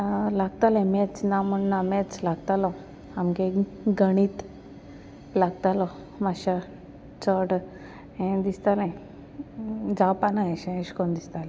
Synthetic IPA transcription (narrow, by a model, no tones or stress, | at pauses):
laɡt̪alɛ̃mɛt͡snamuɳnamɛt͡slaɡt̪alɔ | amɡeɡəɽ̃iːt̪ | laɡt̪alɔ | maɕa | t͡sɔɽ | ẽd̪ist̪alɛ̃ | d͡zapanaeɕẽɕkond̪ist̪alɛ̃